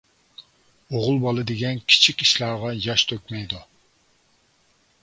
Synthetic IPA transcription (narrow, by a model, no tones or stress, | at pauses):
oʁʊlˠbɑlˠɨd̪eɡʲɛnkʲʰi̥t͡ʃʰikʲiʃlˠɑːʁɑjɑʃt̪ʰøkʲmɛjd̪u